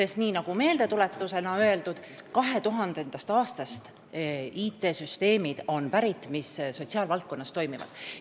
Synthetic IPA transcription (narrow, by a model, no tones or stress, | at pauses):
se̞st̪niːnɑɡ̥ume̞ːld̪e̞t̪ule̞t̪ːuse̞nɑøe̞ld̪ud̪̥kɑɦe̞t̪uɦɑnd̪end̪ɑst̪ɑːst̪ɑst̪ | iːt̪ːˑe̞ːsyst̪e̞ːmid̪̥o̞npæɾit̪ːˑmisso̞tʲsiɑːlvɑlt̪̚ko̞nːɑst̪o̞jmivɑ̰d̪̥